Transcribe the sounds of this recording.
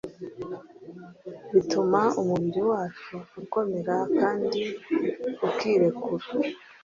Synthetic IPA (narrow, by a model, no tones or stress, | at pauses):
βitumaumuβiɾiwaːt͡ʃuuko̞me̞ɾakaːndi | ukiːɾe̞kuɾa